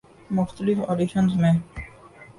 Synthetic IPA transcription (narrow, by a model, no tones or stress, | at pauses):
mʊxt̪əlifoɖiʃənsmẽ